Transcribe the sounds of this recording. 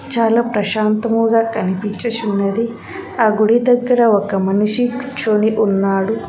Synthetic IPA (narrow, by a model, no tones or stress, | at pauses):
t͡ʃaːlaːpɾɐʃaːnt̪ɐmuɡaːkɐnipit͡ʃɐʃunːɐd̪i | aːɡuɽid̪ɐɡːɐɾɐɔkɐmɐnuʂit͡ʃoːniʔunːaːɽu